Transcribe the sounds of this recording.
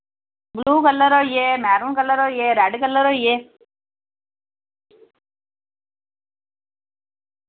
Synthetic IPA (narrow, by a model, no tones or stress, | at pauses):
ɡluːkɐlːɐɾoːjemaːɾunkɐlːɐɾoːjeɾaːɖikɐlːɐɾoːje